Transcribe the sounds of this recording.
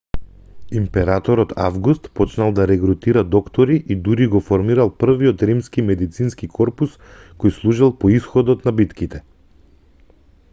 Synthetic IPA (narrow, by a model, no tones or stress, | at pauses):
impɛɾat̪ɔɾɔt̪ʰa̰vɡust̪pɔt͡ʃnalˠd̪aɾɛɡɾut̪iɾad̪ɔkt̪ɔɾiʔid̪uɾiɡɔfɔɾmiɾalˠpr̩viɔt̪ɾimskimɛd̪it̪sinskikʰɔɾpuskojslˠuʒilˠpɔisxɔd̪ɔt̪nabit̪kit̪ɛ